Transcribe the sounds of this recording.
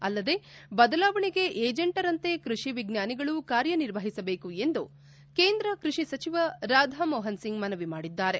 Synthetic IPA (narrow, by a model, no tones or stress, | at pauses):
ɐlːɐd̪e̞bɐd̪ɐlaːʋɐɳiɡe̞ʔeːd͡ʒeɳʈɐɾɐnt̪e̞kɾuʂiʋiɡnjaːniɡɐɭukaːɾjɐniɾʋɐɦisɐbe̞ːkue̞nd̪u | ke̞ːnd̪ɾɐkɾuʂisɐt͡ʃiʋɐɾaːd̪ʱɐmɔːɦɐnsiŋɡmɐnɐʋimaːɽid̪ːaːɾe̞